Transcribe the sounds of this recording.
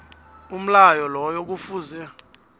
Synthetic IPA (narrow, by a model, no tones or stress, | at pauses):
um̩lajɔlɔjok̬ufuzɛ